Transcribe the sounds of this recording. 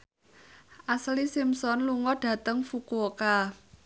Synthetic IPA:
ʔaslisimsɔnluŋɔɖ̥ä̤t̪əŋfukuoka

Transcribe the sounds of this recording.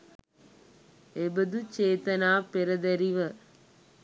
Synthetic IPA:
ebɐd̪ut͡ʃeːt̪ɐnaːpeɾɐd̪ɐɾiʋɐ

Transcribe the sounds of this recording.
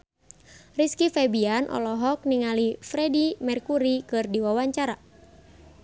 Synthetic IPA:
riskifɛbianʔɔ̰lɔɦɔk̚niŋalifɾɛdimɛrkuɾikɨrdiwawaɲt͡ʃaɾa

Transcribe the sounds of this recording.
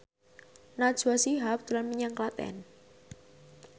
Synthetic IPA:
nad̥ʒ̥uasiɦap̚d̪̥ulanmiɲaŋklat̪ɛ̰n

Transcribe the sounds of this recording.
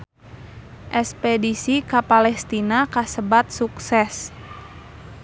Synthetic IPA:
ʔɛspɛdisikapalɛst̪inakasəbat̪̚suksɛs

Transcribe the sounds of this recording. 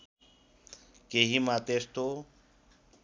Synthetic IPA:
keɦimãːt̪eːst̪o

